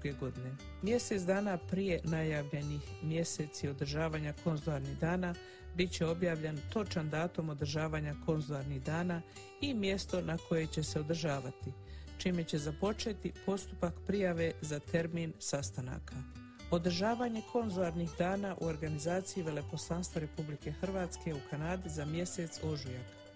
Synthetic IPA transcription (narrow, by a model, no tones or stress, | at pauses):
uɡeɡo̞d̪ine̞ | mje̞set̪d̪aːnapɾije̞najaːʋʎe̞nixmje̞set̪sio̞d̪ɾ̩ʒaːʋaːɲakʰo̞nzolˠaɾniɦd̪aːna | bit̪t͡ɕe̞o̞bjaːʋʎent̪o̞t͡ʃand̪aːt̪o̞mo̞d̪ɾ̩ʒaːʋaːɲako̞nzulˠaɾniɣd̪aːnaː | imje̞st̪o̞nakʰo̞je̞t͡ɕe̞se̞o̞d̪rʒaːʋat̪it͡ʃime̞t͡ɕe̞zapo̞t͡ʃe̞ːt̪ipo̞st̪upakpɾijaʋe̞zat̪e̞ɾmiːnsast̪ana̰ːkʰa | o̞d̪r̩ʒaːʋaɲe̞kʰo̞nzulˠaɾnixd̪aːnaʔṵo̞ɾɡanizaːt̪sijiʋe̞le̞ko̞slˠanst̪vʋaɾe̞publike̞xr̩ʋaːt̪ske̞ukʰanaːd̪izamje̞set̪so̞ʒujak